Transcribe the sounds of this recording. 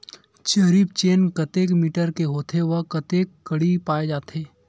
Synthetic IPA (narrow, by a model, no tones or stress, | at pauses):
t͡ʃəɾipt͡ʃeːnkɐt̪eːkmiːʈəɾkeɦoːt̪ʰeʋəkɐt̪eːkːəɽipaːed͡ʒaːt̪eː